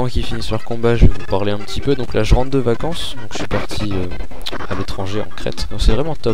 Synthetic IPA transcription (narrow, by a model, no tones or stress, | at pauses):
ɑ̃kʲifinispaʁkɔ̃baʒəvevupaʁleɛ̃pət̪ipød̪ɔ̃klʔaʒəʁɑ̃d̪d̪əvakɑ̃sd̪ɔ̃kʒ̥əsɥipaʁt̪ʰiø | a̰let̪χɑ̃ʒeɑ̰̃kχɛ̰t̪d̪ɔ̃ksɛvʁɛmɑ̃t̪ɔp